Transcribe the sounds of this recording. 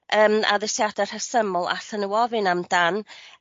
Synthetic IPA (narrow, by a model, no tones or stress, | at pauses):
ʔəːma̰ðɪsjadɛr̥həsəmʊlˠa̰ɬənuwɔvɨnamdan